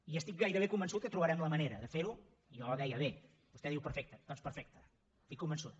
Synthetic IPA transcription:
iəst̪ik̚ɡajɾəβ̞ekumbənsut̪̚kət̪ɾuβəɾɛmləməneɾəðəfeɾu | ijɔðɛjəβe | b̥ust̪ɛðiwpəɾfɛk̚t̪əd̪̥ɔnspəɾfɛk̚t̪ə | st̪ikːumbənsut̪̚

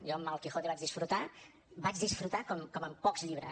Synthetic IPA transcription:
ʒɔəmːalˠkixot̪iβad͡ʒðisfɾut̪a | bad͡ʒðisfɾut̪akɔmkɔməmpɔkzʎiβɾə̰

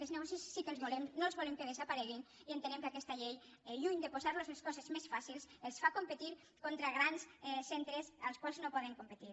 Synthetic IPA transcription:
ezneɣɔsisːikəlˠzβulemnoəlˠzβɔlemkəðezəpaɾɛɣ̞inient̪ənɛmkəakɛst̪əʎejʎuɲd̪epozaɾlozleskɔzəzmesfasilˠsəlˠsfakompət̪iɾ | kont̪ɾaɣ̞ɾansɛsɛnt̪ɾəzəlˠskwalˠznopɔðəŋkompət̪iɾ

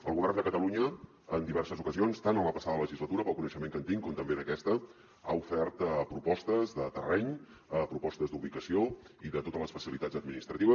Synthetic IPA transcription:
əlˠɣuβɛrnd̪əkət̪əluɲəː | nd̪iβɛrsəzukəzionst̪anomapəsaðələʒizlət̪uɾəpəlˠkunəʃəmeŋkənt̪iŋkɔmt̪əmbeðəkɛst̪ə | a̰ufɛrt̪pɾupɔst̪əzðət̪ərɛɲ | əpɾupɔst̪əzd̪uβikəsioiðət̪ot̪ələsfəsilit̪ad͡zzəd̪̚minist̪ɾət̪iβə

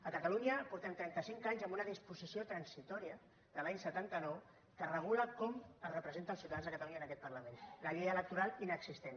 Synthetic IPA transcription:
əkət̪əluɲəpuɾt̪ənt̪ɾɛnt̪əsiŋkaɲzəmbunəðispuzisiot̪ɾənsit̪ɔɾiə | ðəlaɲsət̪ant̪ənɔw | kərəɣ̞uləkɔməzrəpɾəzent̪əlˠsiwt̪aðanzðəkət̪əluɲaəːnəkɛt̪̚pərləmenləʎɛjələk̚t̪uɾalˠinəksist̪en

